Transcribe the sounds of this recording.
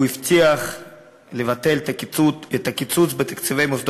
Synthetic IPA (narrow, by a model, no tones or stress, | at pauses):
uift̪ʰiaχ | levat̪e̞ltkiuet̪akit͡sut͡sbet̪ḁkt͡sivejmosd̪